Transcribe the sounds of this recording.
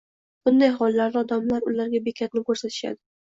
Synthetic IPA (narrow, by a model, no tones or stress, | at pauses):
b̥ʊnd̪ajɦɒlˠːaɾd̪ɪɒd̪amlaɾʊlaɾɡʲabekʲʰat̪nɪkɵɾsat̪ʰɪ̥ʃa̰d̪ɪ